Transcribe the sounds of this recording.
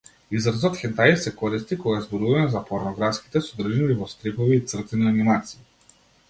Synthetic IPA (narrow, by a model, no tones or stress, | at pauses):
izɾazɔt̪xʲɛnt̪ajsɛkɔɾist̪ikɔɡazbɔɾuvamɛzapɔɾnɔɡɾafski̥t̪ɛsɔd̪r̩ʒilivɔst̪ɾɛpɔviːt̪sr̩t̪inianimat̪siː